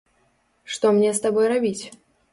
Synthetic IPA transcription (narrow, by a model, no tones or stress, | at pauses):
ʂt̪ɔmnʲɛst̪abɔjrabʲit͡sʲ